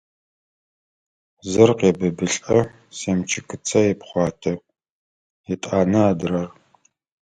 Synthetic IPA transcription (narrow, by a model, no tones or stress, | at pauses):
zɨrqeːbɨbɨɬʼɐ | seːmt͡ʃʰɪkʰɨt͡sʰɐjɛpχʷɑːtʰɐ | ɛtʼaːnɐaːdɨrɐr